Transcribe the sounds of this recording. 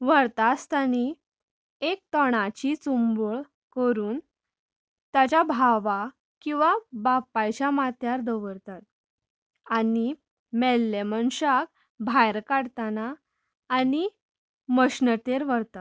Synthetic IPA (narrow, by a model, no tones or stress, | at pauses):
ʋəɾt̪ast̪ani | ek̚t̪əɽ̃at͡ɕit͡sumbəɭ | kəɾuːn | t̪jat͡ɕabʱaʋa | kĩw̃ʋabapːajt͡ɕamat̪jaɾd̪əʋəɾt̪at̪̚ | ani | mɛlːemənɕak | bʱajɾkaɽt̪anaː | ni | məɕnət̪eɾʋəɾt̪a